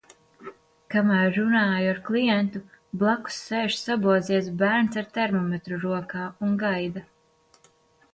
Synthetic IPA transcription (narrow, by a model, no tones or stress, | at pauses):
kamæɾːunaːjuaɾklˠijɛnt̪ublˠaku̥sːeːʃsabuɔziɛs̬bæɾnsaɾt̪ɛɾmɔmet̪ɾuɾuɔkaːuŋɡajd̪a